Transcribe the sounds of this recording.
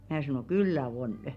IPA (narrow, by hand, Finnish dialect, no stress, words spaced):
mæː sɑnoˑ kylːæ onə̆